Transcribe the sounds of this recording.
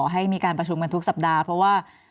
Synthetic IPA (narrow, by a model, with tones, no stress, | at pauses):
ɦa˥˩jmiː˧kaː˧npɾa˧t͡ɕʰu˧mka˧nt̪ʰu˥k̚sa˨˩p̚daː˧pʰɾɔ˦˥waː˥˩